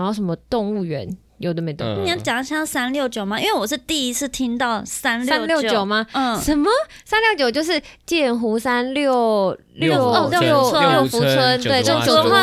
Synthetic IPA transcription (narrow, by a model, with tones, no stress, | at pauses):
jʂə˧˥mə˧t̪ʊ˥˧ŋu˥˩ɥɛ̰˧˦n | jo˨˩ʊd̪ə˨˩me˧˥ɪt̪ʊ̰˥˧˨ŋ˥˩ni˨ja˥˩t͡ɕja˨˩ŋɕjɑ˥sa˥nljo˥˩ʊt͡ɕjo˨˩ʊma˨˦i˥nwe˥˩ɪwɔ˨˩ʂ̬ɻ̩˥˧t̪i˥˩i˦˥t͡sʰɹ̩˥˩t̪ʰi˥ŋt̪ɑ˥˩ʊsa˦˥nlja˥˧nljo˥˩ʊt͡ɕjo˨˩ʊma˨˥˩ʂə˨˦nmə˨ | sa˥nljo˥˩t͡ɕjo˨˩ʊt͡ɕjo˥˧ʊʂ̬ɻ̩˥˧t͡ɕjɛ˥˩nxu˧˥sa˦nljo˥˨˩ʊ | ljo˥˧˥o˥˧˥jo˥˩ʊfu˧˥t͡sʰwə˥nt̪we˥˧ɪt͡sə˥˩t͡ɕo˨˩ʊ˥